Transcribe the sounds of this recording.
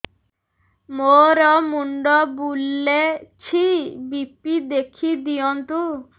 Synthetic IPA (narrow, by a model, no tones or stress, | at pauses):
moɾɔmuɳɖɔbulːet͡ʃʰibipid̪ekʰid̪ijɔnt̪u